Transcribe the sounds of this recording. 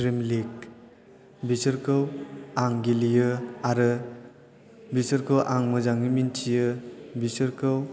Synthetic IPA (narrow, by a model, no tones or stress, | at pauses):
ɾimlik̚ | bisɯɾkʰɯwaŋɡilijɯaɾɯ | bisɯɾkʰɯwʔaŋmɯzaŋimintʰijɯbisɯɾkʰɯw